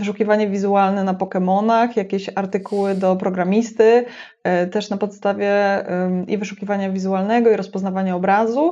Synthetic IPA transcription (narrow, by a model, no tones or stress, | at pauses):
vɘʂukʲivaɲɛvʲizualnɛnapɔkɛmɔnaxjakʲeɕaɾt̪ɘkuwɘd̪ɔpɾɔɡɾamʲist̪ɘ | t̪ɛʂnapɔt̪st̪avʲjɛ | ḭvɘʂukʲivaɲavʲizualnɛɡɔiɾɔspɔznavaɲaɔbɾazu